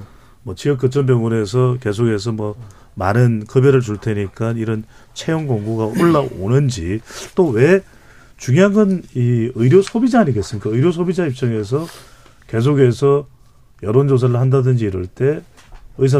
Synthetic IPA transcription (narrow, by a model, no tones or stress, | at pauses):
mwʌt͡ɕijʌk͈ɯt͡ɕ͈ʌmbjʌŋune̞s̬ʰʌke̞s̬ʰoɡe̞s̬ʰʌmwʌ | manɯnkɯbjʌɾɯɭt͡ɕuɭtʰeɲik͈aniɾʌn | t͡ɕʰejoŋɡoŋɡuɡaoɭːao̰nɯnd͡ʑit͈owe̞ | t͡ɕuŋjaŋɯniɯɾjosʰobid͡ʑaːɲiɡe̞ts͈ɯmɲik͈aɯiɾjosʰobid͡ʑaip̚t͡ɕ͈ʌŋe̞s̬ʰʌ | ke̞s̬ʰoɡe̞sʰʌ | jʌɾond͡ʑos̬ʰaɾɯɭhandadɯnd͡ʑiːɾuɭt͈e̞ɯs̬ʰa